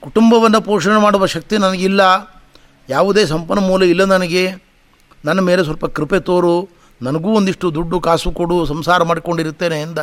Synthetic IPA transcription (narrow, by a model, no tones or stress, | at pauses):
kuʈumbɐʋɐnːɐpoːʂɐɳemaːɽuʋɐʃɐk̚t̪inɐnɐɡilːɐ | jaːʋud̪eːsɐmpɐnːɐmuːlɐilːɐnɐnɐɡe̞ | nɐnːɐmeːles̬ʋɐlpɐkɾipet̪oːɾu | nɐnɐɡuːond̪iʂʈud̪uɖːukaːsukoɽusɐmsaːɾɐmaːɽiko̞ɳɖiɾut̪ːeːneːnd̪ɐ